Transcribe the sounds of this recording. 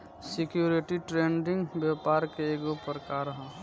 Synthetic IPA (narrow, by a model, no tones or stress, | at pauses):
sikjuɾiʈiʈɾeɳɖɪ̃ŋɡbjɛpaɾkeeɡopəɾkaɾɦɔ̃